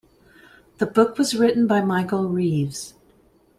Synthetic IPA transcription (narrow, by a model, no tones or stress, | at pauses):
ðəbʊkwʌzɹɪʔn̩baɪmaɪkl̩ˠɹivz̥